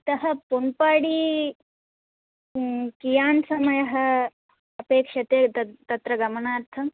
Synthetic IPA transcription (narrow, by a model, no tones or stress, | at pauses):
t̪ɐɦɐ̆punpaːɽiː | kijaːnsɐmɐjɐɦɐ̆ | ɐpeːkʂɐt̪eːɐt̪ɐt̪ɾɐɡɐmɐɳaːɾt̪ʰɐ